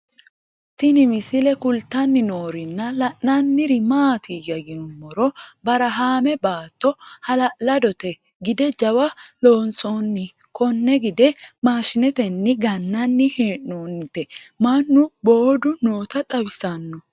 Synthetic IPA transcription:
t̪ɪnɪmɪsɪlɛkʊlt̪ːɐnːɪnoːɾɪnːɐlɐʔːɐnːɪɾɪmaːt̪ʰɪjɐɡɪnʊmːɔɾɔbɐɾɐɦaːmɛbaːt̪ːɔhɐlɐʔlɐd̪ɔt̪ɛ | ɡɪd̪ɛd͡ʒɐwɐlo̞ːnsonːɪ | kɔnːɛɡɪd̪ɛmaːʃɪnɛt̪ɛnːɪɡɐnːɐnːɪheːʔːoːnːɪt̪ɛmɐnːʊbo̞ːd̪ʊno̞ːt̪ɐt̪ʼɐwɪsɐnːɔ

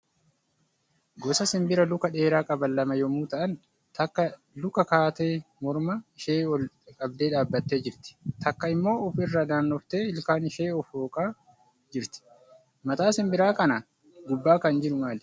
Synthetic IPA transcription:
ɡɔsɐsɪmbɪɾɐlʊkɐᶑe̞ːɾaːkʼɐbɐlːɐmɐjɔmuːt̪ɐʔɐn | t̪ɐkːɐ | lʊkɐkaːt̪eːmɔɾmɐɪʃeːwɔl | kʼɐb̚d̪eːᶑaːbːɐt̪ːe̞ːd͡ʒɪɾt̪ɪ̥t̪ɐkːɐɪmːo̞ːɔfɪrːad̪aːnːɔft̪e̞ːɪlkaːnɪʃeːɔfoːkʼaː | d͡ʒɪɾt̪ɪ̥ | mɐt̪aːsɪmbɪɾaːkɐnɐ | ɡʊbːaːkɐnd͡ʒɪɾʊmaːl

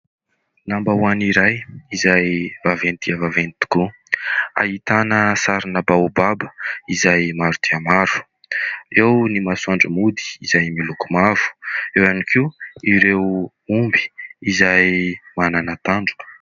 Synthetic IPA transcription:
nambawaniɾajizajvavent̪iavavenit̪u̥ku | a̰ɦit̪anəsaɾinəbaubabəizajmaɾut̪iamaɾu̥ | ewnimasuaɳɖ͡ʐəmud̪i̥izajmilukumavu̥ewanikʰiiɾew | umbi̥izajmananat̪aɳɖ͡ʐuk

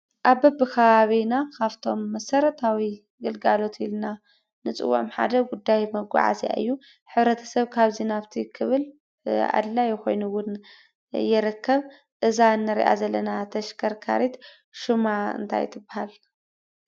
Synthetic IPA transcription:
ʔaβɐbɨkʰɐβaβinakʰaβt̪ʰo̞mːɐsɐɾɐt̪ʰawi | ɡɨlɡalo̞t̪ʰilna | nɨt͡sʼɨ̰wːṵʕmħa̰d̪ɐɡud̪ːajmɐɡʷa̰ʕa̰za̰ʔɨ̰jːu | ħɨβɾɐt̪ʰɐ̥sɐβkʰaβzinaβt̪ʰikʰɨβɨl | a̰d̪lajɛxo̞jnuwʊn | jɪɾɐkʰːɐβ | ʔɨzaɨnːɨɾḭʔa̰zɐlːɐnat̪ʰɐʃkʰɐɾkʰa̰ɾit̪ | ʃumaɨ̰nt̪ʰa̰j̰t̪ʰɨbːahal

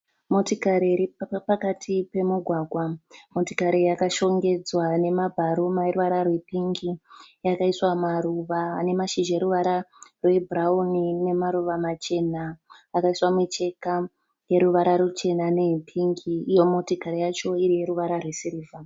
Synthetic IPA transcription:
mo̞tikaɾiiɾipakatʰipe̞muɡʱwaɡʱwamo̞tikaɾijakaʃo̞ŋɡe̞d͡zwane̞mabʱaɾomairuʋaɾarwepiŋɡijakaiswamaɾuʋaːne̞maʃiʒeɾuʋaɾarwe̞bʱuraunine̞maɾuʋamat͡ʃe̞naːkaiswamet͡ʃe̞ka | je̞ɾuʋaɾaɾut͡ʃe̞nane̞ipʰiŋɡiːjo̞mo̞tikaɾijat͡ʃo̞iɾije̞ɾuʋaɾarwesiɾiːva

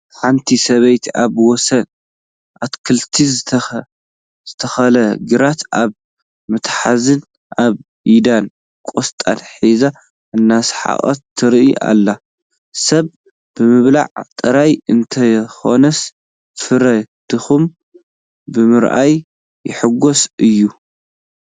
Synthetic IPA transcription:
ħant̪ʰisɐβɐjt̪ʰaβwɔsɐn | ʔat̪kʰɨlt̪ʰiz | z̥ɨt̪ʰɐxɐlɐɡɨɾat̪aβ | mɨt̪ħa̰zɨn | ʔaβ | ʔid̪an | kʼost̪ʼa̰nħiza | ɨnːasħa̰ʔʼɐ̰t̪ʰːɨɾʔiʔa̰lːa | sɐβ | b̥ɨmɨβla̰ʕt̪ʼːɨɾajɨnt̪ʰɐjxo̞nɐs | fɨɾɐd̪̥ɨxum | bɨmɨɾʔa̰jː | ɪħɨɡosʔɨjːu

